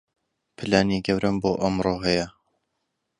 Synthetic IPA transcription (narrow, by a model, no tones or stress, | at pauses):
pʰɨlaːniɡɐwɾʔɐmboːʔɐmroːɦɛjɐ